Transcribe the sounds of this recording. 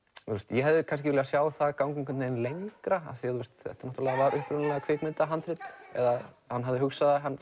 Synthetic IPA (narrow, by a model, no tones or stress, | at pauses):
θust̪jɛɦɛvðɪkʰans̬cɪvɪlɛɣasjaːwθaðkawŋkʏŋkʏnt̪nɛnlejŋkɾaa̰θiaθuwst̪θɛ̰ht̪ḁɾnɔt̪uɾlɛɣavaɾʏhpɾʏnlɛɣakʰveːt̪mɪnt̪aɦant̪ɾɪt̪ɛ̰ða | hanːɦavðɪhʏksaðaɦanː